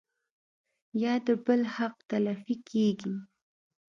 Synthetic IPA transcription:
jɑd̪əbəlhaq̚t̪alafikʰeɡi

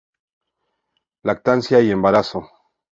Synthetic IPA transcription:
lak̚t̪ansjaiembaɾaso

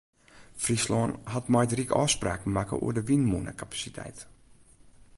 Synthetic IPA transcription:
frislɔːnhatmɔjdrikɔ̰ːspra̰ːkmakə̰ʔṵərdəʋinmunə̰kapḁsitʰɛ̰jt

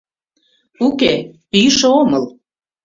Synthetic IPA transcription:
ukepyjʃeoməl

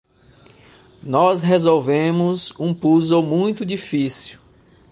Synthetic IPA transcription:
nɔsɦezowvẽmʊzũpuzomũj̃t̪ʊd͡ʒifisiw

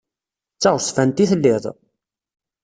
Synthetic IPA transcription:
t͡sːɑʁsfænt̪iθəlːɪðˤ

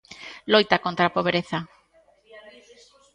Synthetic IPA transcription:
lojt̪akont̪ɾapoβɾeθa

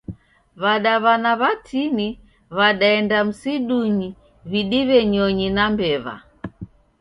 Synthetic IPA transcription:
βaɗaβanaβatʰini | βaɗaɛndam̩siɗuɲi | βiɗiβɛɲɔɲinambɛβa̰

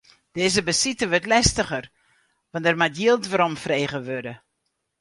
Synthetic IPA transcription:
d̥ɪːzəbəsitəʋøtlɛstəχər | ʋɑntɛrmatjiəlˠtʋaɾɔmfreːɣəʋødə

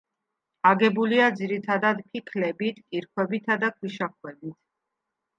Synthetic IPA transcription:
aɡɛbuliad̪ziɾit̪ʰad̪ad̪pʰikʰlɛbit̪ʰkʼiɾkʰwɛbit̪ʰad̪akʰwiʃakʰwɛbit̪ʰ

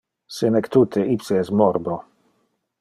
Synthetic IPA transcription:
senɛkt̪ut̪ʰeʔipseɛst̪mɔrbo

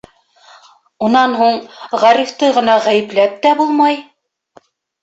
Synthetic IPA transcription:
unɑnɦuɴʁæɾift̪ɤʁɤ̆nɑʁæjɘ̆plæp̚t̪æbulˠmɑj

